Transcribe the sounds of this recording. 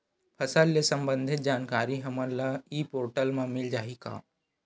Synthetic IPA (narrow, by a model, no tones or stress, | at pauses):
pʰɐsəlːesɐ̃mbə̃nd̪ʱɪt̪̚d͡ʒaːnkaːɾiɦɐməɾlaiːpoːɾʈəlmãmɪld͡ʒaːika̰ː